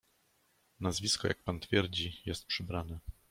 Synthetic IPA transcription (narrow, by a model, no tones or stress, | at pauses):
nazvʲiskɔja̰k̚pant̪fʲjɛɾd͡ʑijɛst̪̚pʂɘbɾanɛ